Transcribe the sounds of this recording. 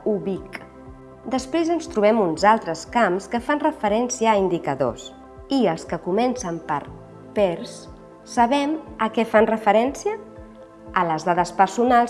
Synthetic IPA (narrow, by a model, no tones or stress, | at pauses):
uβik | d̪əspɾezənst̪ɾuβ̞ɛmunzalˠt̪ɾəskamskəfanrəfəɾɛnsiəːind̪ikəðo̰s | iəlˠskəkumɛnsəmpə̰ɾ | pɛɾsː | əβɛməkɛfanrəfəɾɛnsiəː | ləzðaðəspəɾsunalˠ